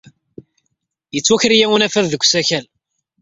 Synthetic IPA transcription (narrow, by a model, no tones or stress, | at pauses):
jət͡sːwæçəɾijæwənæfæððəɡʷːsæçæl